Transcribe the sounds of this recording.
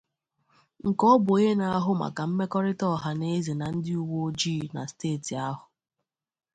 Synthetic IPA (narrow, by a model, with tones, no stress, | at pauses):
ŋ̩˨kɔ˦bʊ˨e˦na˦a˦ɦʊ˦ma̰˨ka˨m̩˦me˦kɔ˦ɾɪ˦tɔ˦˨ɦa˨ne˦ze˨na˨n̩˦dɪ˦u˦wo˦d͡ʒiː˦˨na̰˨steː˦˨ti˨a˦ɦʊ˨